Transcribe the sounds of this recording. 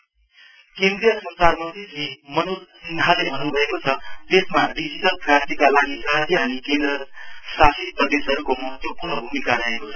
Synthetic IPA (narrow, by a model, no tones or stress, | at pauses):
kẽnd̪ɾijʌsʌnsarmʌd̪isimʌnulsinʱalebʱʌnubʱʌekot͡sʰʌt̪esmaɖid͡ziʈʌlpraɾt̪ikalaɡisad̪ʰʱjiɦanikend̪ɾʌsasit̪prʌd̪esɦʌɾukomʌɦʌt̪jopunʌbʱumikaɾʌɦekot͡sʰʌ